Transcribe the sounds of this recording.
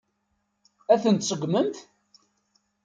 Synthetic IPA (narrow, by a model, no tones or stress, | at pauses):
æθənt̪sˤəɡʷməmθ